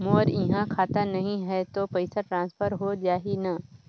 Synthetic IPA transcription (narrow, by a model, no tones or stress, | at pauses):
moːɾɪɦãkʰaːt̪anɐɦĩɦɛt̪opɐɪsaʈɾãːnspʰəɾɦod͡ʒaːɦina